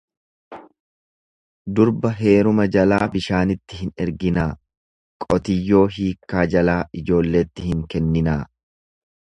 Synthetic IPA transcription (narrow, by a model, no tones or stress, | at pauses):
d̪ʊɾbɐɦe̞ːɾʊmɐd͡ʒɐlaːbɪʃaːnɪt̪ːɪhɪnɛɾɡɪnaː | kʼɔt̪ɪjːo̞ːɦiːkːaːd͡ʒɐlaːʔɪd͡ʒo̞ːlːe̞ːt̪ːɪhɪŋkɛnːɪnaː